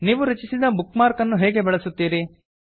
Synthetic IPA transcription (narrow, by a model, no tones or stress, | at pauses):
niːʋuɾɐt͡ʃisid̪ɐbukmaːɾkɐnːuɦeːɡe̞bɛɭɐsut̪ːiːɾi